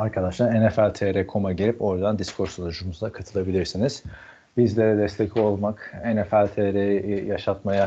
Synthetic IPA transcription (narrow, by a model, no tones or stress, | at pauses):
aɾkʰad̪aʃlˠaɾenefælʲt̪ʰeɾɛkʰo̞maɟeɾʲipo̞ɾd̪and̪iskʰo̞ɾsolˠuʒumuzd̪akʰat̪ʰɯlˠabilʲiɾsiniz̥ | bizlʲeɾɛd̪ɛst̪ʰecʰlʲio̞lˠmakenefælʲt̪ʰeɾejijaʃat̪maja